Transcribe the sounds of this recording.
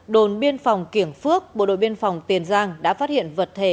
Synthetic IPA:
ɗo˨˩nɓi˧ənfa˨˩wŋ͡mki˧˩əŋfɨ˦˥ək̚ɓo̰˧˨ɗo̰˧˨jɓi˧ənfa˨˩wŋ͡mt̪i˨˩ənzaː˧ŋɗa̰ː˧˥faː˦˥t̚hḭ˧˨ənvə˨˩t̚t̪ʰe˧˩

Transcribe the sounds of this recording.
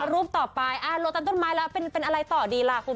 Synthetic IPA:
ɾu˦˥p̚t̪ɔː˨˩pa˧jʔaː˧˩lo˧˥kt̪a˧nt̪nmaː˦˥jlɛː˦˥wpe˧npe˧nʔa˧ɾa˧jt̪ɔː˨˩diː˧laː˧˩kʰu˧n

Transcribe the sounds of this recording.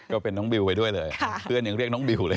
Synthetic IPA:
kɔ˨˧˦fe˨˧˩nɔ˨˦ŋ͡mɓi˨˩wvəː˨˩jɗu˧əjzəː˨˩jɨ˧əɲɨ̰˧˥ŋɾi˧ək̚nɔ˨˦ŋ͡mɓi˨˩wləː˨˩

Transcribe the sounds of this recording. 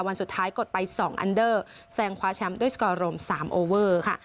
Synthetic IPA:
wa˧nsu˨˩t̪ʰːaː˦˥jko˨˩t̪̚pa˧jsɔː˩˦ŋʔa̰˧ndɤː˥˩ | sɛː˧ŋkʰwaː˦˥t͡ɕʰɛ˦˥mdu˥˩əjskɔː˧ɾo˧msaː˩˦mʔoː˧wɤː˥˩kʰa˥˩

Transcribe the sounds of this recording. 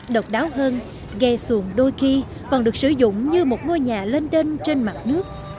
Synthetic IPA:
ɗə˨˩wk͡p̚ɗaː˨˦wɦəː˧n | ɣɛ˧su˧˩əŋɗo˧jxi˧ | kɔ˨˩nɗɨ˨˩ək̚sɨ˧˩zʊ̰˧˨ŋ͡mɲɨ˧mo˨˩t̚ŋo˧jɲaː˨˩le˧nte˧nt͡ɕe˧nma˨˩t̚nɨ˦˥ək̚

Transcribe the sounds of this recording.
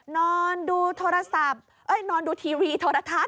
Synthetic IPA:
nɔː˧nduː˧t̪ʰoː˧ɾa˧sa˨˩p̚ | ʔɤ˦˥˩jnɔː˧nduː˧t̪ʰiː˧wiː˧t̪ʰoː˧ɾa˧t̪ʰa˦˥t̪̚

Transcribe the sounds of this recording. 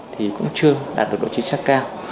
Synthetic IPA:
t̪ʰi˨˩kʊ̰˧˥ŋ͡mt͡ɕɨ˧əɗa̰ː˨˩t̚ɗk̚ɗo̰˧˨t͡ɕi˧ŋ̟saː˦˥kkaː˧w

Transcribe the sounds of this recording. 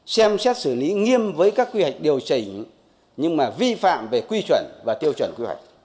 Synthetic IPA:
sɛ˧msɛ˦˥t̚sɨ˧˩li˨˦ŋi˧əmvəː˨˦jkaː˦˥kːwi˧hwa˨˩jk̚ɗi˨˩əwt͡ɕi˧˩˨ | ɲɨ˧ŋmaː˨˩vi˧fa̰ː˧˨mve˨˩kwi˧t͡ɕwə˧˩nvaː˨˩t̪i˧əwt͡ɕwə˧˩nkwi˧hwa̰˨˩jk̚

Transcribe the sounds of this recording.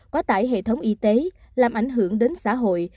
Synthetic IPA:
kɔ˨˦t̪a̰ː˧˩jɦḛ˧˨t̪ʰə˨˦wŋ͡mʔi˧t̪e˨˦ | laː˨˩mʔa˧˩jŋ̟ɦɨ˧˩əŋɗe˨˦nsa̰ː˧˥ɦo̰˧˨j

